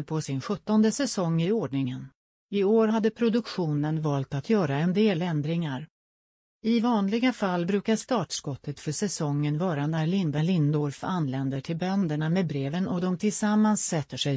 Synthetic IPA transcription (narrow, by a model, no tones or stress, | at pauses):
pʰɔsɪnɧɵt̪ːɔnd̪əsɛsɔŋːɪoːɖɳɪŋən | ɪoːɾhad̪ːəpʰɾʊd̪ɵkɧuːnənvɑːlt̪at̪ʰjœːɾaɛnd̪eːlɛnd̪ɾɪŋaɾ | ɪvɑːnlɪɡafalːbɾʉ̟ːkaʂt̪ɑːʈʂkɔt̪ːət̪fœʂɛsɔŋːənvɑːɾanæɾɭɪnd̪aɭɪnd̪ɔɾfanːlɛnd̪əʈʰɪlbœnd̪əɳamɛbɾeːvənɔd̪ɔmt̪ʰɪlsamːansːɛt̪ːəʂɛj